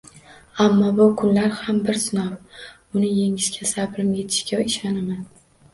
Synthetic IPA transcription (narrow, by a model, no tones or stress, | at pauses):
amːɒbʊkʰʊnlaɾhambɪɾsɪnɒw | ʊnɪjeŋɪzkʲʰasabɪɾɪmɡʲɪt̪ʰɪ̥ʃkʲawɪʃanaman